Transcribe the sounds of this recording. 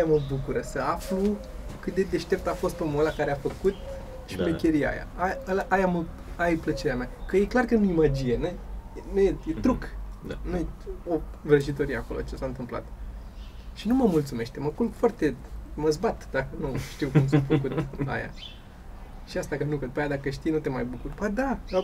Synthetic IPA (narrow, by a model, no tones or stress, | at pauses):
ajaməbukuɾəsəaflu | kɨt̪̚d̪e̞d̪e̞ʃt̪e̞p̚t̪afo̞st̪omolakaɾeafəkut̪̚ | ʃipekʲeɾia̰ja̰alaʔajamə | ajplət͡ʃe̞ɾeameakəje̞klarkənuimad͡ʒinenuenujejet̪ɾuknujeovɾəʃ̬it̪o̞ɾijeakolo̰t͡ʃesant̪ɨmpla̰t̪ | ʃinuməmult̪sume̞ʃt̪e̞məpunfwart̪e̞məzbat̪d̪akənuʃt̪iukums̬umfəkut̪a̰ja̰ | ʃiast̪akənukəd̪upajad̪akəʃt̪ijnut̪e̞majbukurpad̪a